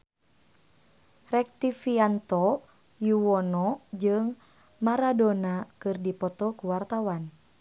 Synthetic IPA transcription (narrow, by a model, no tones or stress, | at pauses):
rɛk̚t̪ifiant̪ɔ | juwɔnɔd͡ʒɨŋ | maɾadonakɨrdipɔt̪ɔkuwart̪awan